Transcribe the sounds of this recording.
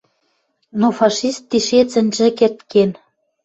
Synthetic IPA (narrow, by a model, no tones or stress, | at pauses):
nofɑʃist̪ːiʃet͡sə̆nʲʒɘ̆kert̪ken